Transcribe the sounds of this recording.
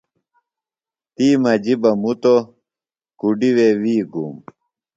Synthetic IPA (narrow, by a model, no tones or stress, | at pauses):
t̪iːmɐd͡ʑibɐmut̪o | kuɖiwewiːɡum